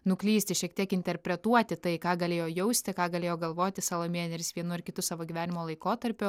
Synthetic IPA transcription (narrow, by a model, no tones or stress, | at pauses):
nʊklʲiːsʲt̪ʲɪʃʲiɛk̚t̪ʲiɛkɪnʲt̪ʲɛɾʲpʲɾʲɛt̪uɔt̪ʲɪt̪ɐɪkɑːɡɐlʲeːjoːjɛʊsʲt̪ʲɪkɑːɡɐlʲeːjoːɡɐlˠʋoːt̪ʲɪsɑːlˠoːmʲeɛnʲɛɾʲɪsʋʲiɛnʊɪɾkʲɪt̪ʊsɑːʋoːɡʲiʋʲæːnʲɪmoːlˠɐɪkoːt̪ɐɾʲpʲʊ